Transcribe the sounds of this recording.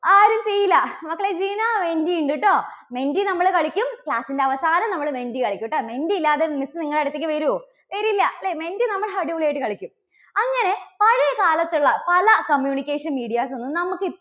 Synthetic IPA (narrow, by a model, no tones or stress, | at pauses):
aːɾumt͡ɕejilːɐmɐkːɐɭed͡ʑiːnaːmendiiɳɖiʈːoː | me̞ndinɐmːɐɭkɐɭikʲːumkɭaːsindeɐʋɐsaːnɐmnɐmːɐɭɨmendikɐɭikʲːiʈːoːme̞ndiːlːaːðemisɨniŋːɐɭɐɽut̪ːek̬ʲːɨʋɐɾu | ʋɐɾilːɐleme̞ndinɐmːɐɭɦɐɽiʋuɭejiʈːɨkɐɭikʲːum | ɐŋːɐne̞pɐɻɐjɐkaːlɐt̪ːuɭːɐpɐlɐkɐmjuːnikʲːeːʂɐnmiːɽijaːsonːunɐmukːɨi